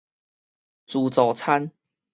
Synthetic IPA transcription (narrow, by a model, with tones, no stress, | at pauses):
t͡su˨˩t͡so˨˩t͡sʰa˦n